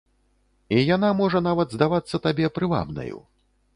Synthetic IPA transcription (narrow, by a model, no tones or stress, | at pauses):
ijan̪amɔʐɐnavɐd̪zd̪avat̪sːɐt̪abʲɛpɾɨva̰bnɐ̰jṵ